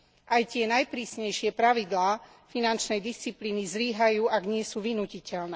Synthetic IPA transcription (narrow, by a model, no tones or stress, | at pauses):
ʔajt̪ɪɛnajpɾiːsɲɛjʃɪɛpɾaʋid̪laː | finant͡ʃnɛjd̪ist͡sipliːnizɾiːɦajuːʔaɡɲɪɛsuːʋinuːcicɛlnɛː